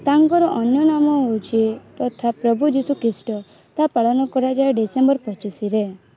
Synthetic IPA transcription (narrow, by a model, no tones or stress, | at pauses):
t̪aŋkɔɾɔʔɔnjɔnamɔɦowt͡ʃʰit̪ɔt̪ʰapɾɔbud͡ʒisukɾisʈɔ | t̪apaɭɔnɔkɔɾad͡ʒaɖisembɔɾpɔt͡ʃisiɾe